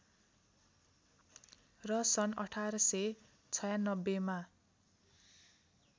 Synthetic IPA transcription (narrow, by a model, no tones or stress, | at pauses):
rʌsʌnʌʈʰaɾʌse | t͡sʰʌjanʌbːema